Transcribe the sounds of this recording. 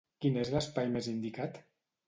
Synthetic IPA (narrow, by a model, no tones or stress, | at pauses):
kinezləspajmezind̪ikat̪